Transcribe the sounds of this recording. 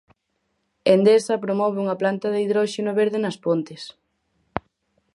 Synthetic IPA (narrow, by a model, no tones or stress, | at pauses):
end̪esɐpɾomɔβeuŋɐplant̪ɐðeiðɾɔʃenoβeɾðenɐspont̪ɪs